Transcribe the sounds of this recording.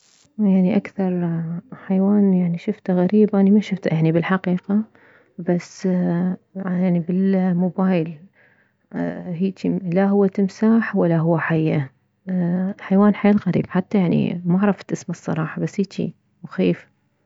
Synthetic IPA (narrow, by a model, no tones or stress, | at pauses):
jaʕniʔakθɑɾˤħajwaːnjaʕniʃʊft̪aɣaɾiːbʔanimaʃʊft̪ajaʕnibɪlħaqiːqa | bas | jaʕnibɪlmoːbaːjl | hiːt͡ʃ̪ilaɦʊwːat̪ɪmsaːħwalːaɦʊwːaħajːʔa | ħajwaːnħaːlɣaɾḭːb̥ħat̪ːajaʕnḭmaʕɾˤɑft̪ʔɪsmasˤːɑ̰ɾˤɑːħɑbasːiːt͡ʃ̪ḭ | wxeːf